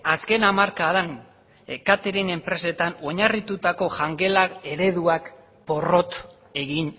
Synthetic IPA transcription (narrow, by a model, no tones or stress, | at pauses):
aske̞namaɾkaðan | ekat̪eɾine̞mpɾe̞se̞t̪ano̞ɲarit̪ut̪ako̞ʝaŋɡe̞lae̞ɾe̞ðuak | po̞ro̞t̪ | e̞ɣin